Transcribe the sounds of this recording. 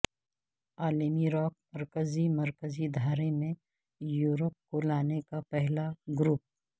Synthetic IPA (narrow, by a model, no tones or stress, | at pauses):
aːlemiɾɔːk̚mɐɾkəzimɐɾkəzid̪ʱaːɾemẽ | juːɾəp̚kolaːnekapɛɦlaɡɾuːp̚